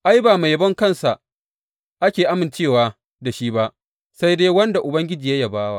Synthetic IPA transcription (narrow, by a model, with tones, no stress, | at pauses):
ʔa˦jbaː˨ma˨jbɐ˦ŋkɐ˦nsa˨ | ʔa˦kʲeː˨ʔa˦mɪ˨nt͡ʃeː˦˨waː˨ | da˨ʃi˦ba˦ʔ | sa˦jdeː˦wɐ˦nda˨ʔʊ˨bɐ˦ŋɡʲɪ˦d͡ʒiː˨ja˦ja˦˨baː˦wa̰˨